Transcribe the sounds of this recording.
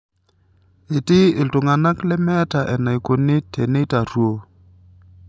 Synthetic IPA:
ɪ˨tɪ˦ɪ˨ltʊ˨ŋa˨na˦klɛ˦mɛ˦ta˨ʔɛ˨na˨i˨ko˨nɪ˦tʰɛ˨ne˦ta˨rwo˦

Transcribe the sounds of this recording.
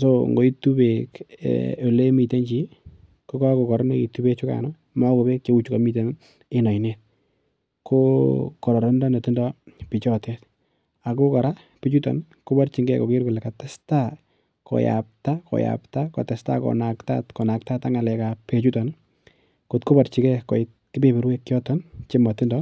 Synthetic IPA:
soŋɡo˨˦i˦tu˦beko˨le˦mi˨te˦ɲt͡ʃi | ko˦kɔ˦ko˨kɔ˨ɾɔ˦ne˦ki˨tube˦t͡ʃʊ˦ka̰˨nɔ | ma˦ko˨be˦k̚t͡ʃe˦u˦t͡ʃukɔ˨mi˦t̬e˨n | ɪ˦nɔ˨i˨net̚ | kʰokɔ˨ɾɔ˨ɾɔ˦ndɔ˦ne˨ti˦ndɔ˦pɪ˨t͡ʃɔte˦t | a˨ko˦kɔ˨ɾa˦ | pe˦t͡ʃu˦tɔ̰˨n | ko˦ba˦rt͡ʃi˨ŋɡɛ˦ko˨ke˦ɾku˨lɛ˨ka˨tɛ˦sta | kɔ̰˨ja̰p̚ta˦kɔ̰˨ja̰pta˦kɔ̰˨tɛ˨sta̰˦kɔ̰˨nakta̰tkɔ˨na˨k̚ta˦ta˦ŋa˨lɛ˨ka˨pe˦t͡ʃu˦tɔ˨n | ko˨tko˦ba˨ɾt͡ʃi˨kɛ˦kɔ˨ɪt̚ | ki˦be˦be˨ɾwe˦kːjɔ˦tɔ˦nt͡ʃe˦ma˨tɪ˦ndɔ

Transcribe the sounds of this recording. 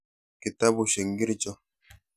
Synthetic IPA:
ki˨ta˦bu˨ʃe˨ŋ˦ɡi˦ɾi˦t͡ʃɔ˦

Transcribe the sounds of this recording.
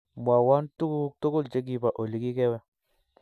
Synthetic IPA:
mʷ˨a˨wa˦ntu˦u˦tu˦ku˦lt͡ʃe˦ɡ̬i˦ba˨ʔo˨li˨ki˦kɛ˦wɛ˦

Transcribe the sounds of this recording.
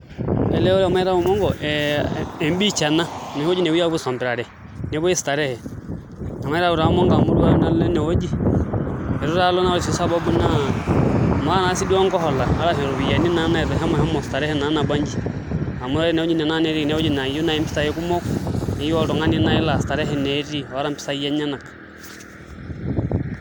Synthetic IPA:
ɛ˨lɛ˦ɔ˦ɾɛ˦ɔ˨ma˦ɛ˦ɾa˦u˨mɔ˦ŋɡɔʔ | ɛ˨mbi˦t͡ʃa˨na˦nu˨hɔ˦d͡ʒi˦nɛ˨wu˦ja˦uβu˦sɔ˨mbɛ˨ɾa˨ɾɛ˨ | nɛ˨βɔ˦ɛ˦si̥ta˨ɾɛ˦hɛ˨ | na˨ma˨ɛ˦ɾa˦u˨ɾa˨˦mɔ˦ŋɡa˨mu˨ɾu˦a˦ɾɛ˨na˨llɛ˦nɛ˨ɔ˦d͡ʒi˦ | ɛ˨ɾu˦ɾa˦lɔ˦na˦li˨si˨sa˦ba˦bu˦na˦˨ | ma˦a˦na˨si˦di˦ɔ˦ŋɡɔ˦ɦɔ˨la˨a˦ɾa˦sɛ˨ɾu˨βi˨ja˨ni˦na˨˦na˦ɛ˨ðɛ˨ɦɛ˦mɔhɛ˦mɔ˨si̥ta˨ɾɛ˦hɛ˦na˨˦na˨ba˦ɲd͡ʒi˨ | a˨mu˦ɾa˦ɾɛ˦nɛ˨ɔ˦d͡ʒi˦nɛ˨na˦nɛ˨ɾi˦˨nɛ˦ɔ˦d͡ʒi˦na˨ju˦na˨ɛ˦mpi̥˦sa˦˨jɛ˦ku˦mɔ˦knɛ˨ja˦ɾɔ˨ŋa˦ni˦na˦i˦la˨si̥ta˨ɾɛ˦ɦɛ˦nɛ˨ɾi˦ɔ˨a˦ɾa˦mpi̥˦sa˦ijɛ˦ɲa˦na˨kḁ˨

